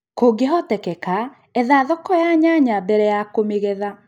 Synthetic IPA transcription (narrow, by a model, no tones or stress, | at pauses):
koɡeɦɔtɛkɛka | ɛðaðɔkɔjaɲaɲabɛɾɛjakomeɣɛða